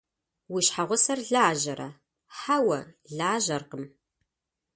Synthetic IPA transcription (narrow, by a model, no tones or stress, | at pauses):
wiʃħaʁʷʊsɐrɮaːʒɐɾʔɐ̰ | ħawɐrɮaːʒɐrqəm